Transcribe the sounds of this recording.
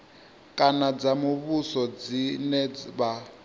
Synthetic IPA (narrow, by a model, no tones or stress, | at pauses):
kʼanad͡zamuβusɔd͡zinɛd͡zβa